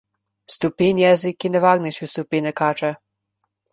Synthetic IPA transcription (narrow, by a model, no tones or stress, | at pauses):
st̪upinjɛzikːinɛʋaːɡnɛʃust̪upinɛkaːt͡ʃɛ